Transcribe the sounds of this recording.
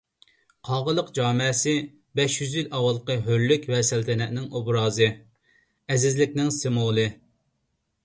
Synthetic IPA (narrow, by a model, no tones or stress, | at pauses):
qʰɑʁəlˠəqd͡ʒɑːmɪsɪ | bɛʃjyzjylɑwɑlˠqəɦølːykʲwɛsɛlt̪ʰɛnɛʔnɪŋobɾɑːzɨ | ɛzɪzlɪkʲnɪŋsemolˠɨ